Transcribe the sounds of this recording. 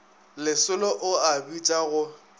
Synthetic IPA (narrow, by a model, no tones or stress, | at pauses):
lɪsʊlɔʔʊabit͡ʃʼaɣʊ